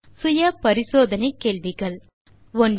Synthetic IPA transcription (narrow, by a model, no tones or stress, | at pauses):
sʊjɐpɐɾisoːd̪ʱɐnekeːɭʋiɡɐɭ | ʋoɳɖ